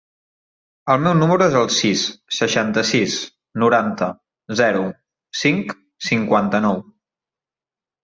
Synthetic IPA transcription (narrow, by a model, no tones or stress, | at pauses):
əlˠmɛwnuməɾuezəlˠsisːəʃant̪əsis | nuɾant̪ə | zɛɾu | siŋk | siŋkwant̪ənɔw